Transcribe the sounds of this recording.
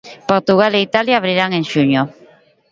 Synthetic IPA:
poɾt̪uɣ̞aleit̪aljaːβɾiɾaŋẽŋʃuɲo

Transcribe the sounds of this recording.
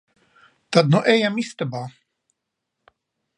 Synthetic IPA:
t̪ad̪nuʔɛjamist̪abaː

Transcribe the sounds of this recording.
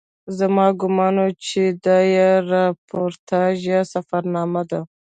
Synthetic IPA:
zamɑɡʊmɑːnot͡ʃed̪ɑjaɾɑpʰoɾt̪ʰɑʒasafaɾnɑːmad̪a

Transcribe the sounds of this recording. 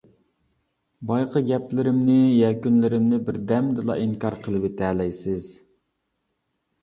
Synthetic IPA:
bɑjqʰəɡʲɛplɪɾɪmnɪjɛkʲynlɪɾɪmnɪbɪɾd̪ɛmd̪ɨlˠɑ̰ʔiŋkɑɾqʰəlˠɨvɪt̪ʰɛlɛjsɪz̥

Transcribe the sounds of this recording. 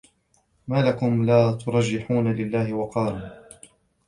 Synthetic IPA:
maːlakʊmlaːt̪ʊɾˤɑd͡ʒːɪħuːnalɪlːaːhɪwɑqɑːlʊː

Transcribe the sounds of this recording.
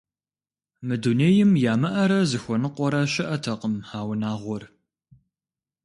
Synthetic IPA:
mɨduneːjɪmjaːmɐʔɐɾɐzɨxʷɔnɨqʷɔɾɐɕɪʔɐtʰɐqəmhaːwnaːʁʷɔr

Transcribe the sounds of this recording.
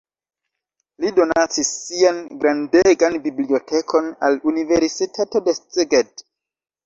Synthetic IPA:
lido̞nat͡sisːianɡɾandeɡanbiblio̞tʰekʰo̞na̰lunive̞ɾsitʰato̞de̞st͡seɡed

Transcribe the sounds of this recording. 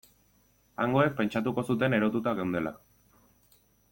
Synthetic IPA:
aŋɡo̞ek̚pe̞nt͡ʃat̪uko̞sut̪e̞ne̞ɾo̞t̪ut̪aɣewnd̪e̞la̰

